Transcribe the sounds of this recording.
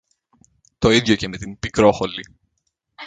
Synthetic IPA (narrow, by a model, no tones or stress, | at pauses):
t̪o̞iðʝoce̞me̞t̪imbikɾo̞xo̞li